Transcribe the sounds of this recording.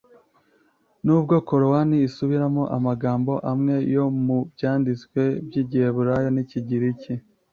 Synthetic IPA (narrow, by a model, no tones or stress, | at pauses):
nuːb̚ɡo̞ko̞ɾowaniːsuβiɾamo̞ʔamaɡaːmbo̞ʔamŋe̞jo̞mubjaːndit͡skwe̞bjiːɟieβuɾajoniciɟiɾici